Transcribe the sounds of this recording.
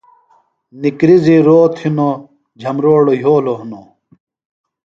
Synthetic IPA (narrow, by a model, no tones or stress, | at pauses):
nikɾiziɾoːt̪ʰino | d͡ʑʱɐmɾoːɽojoːloɦuno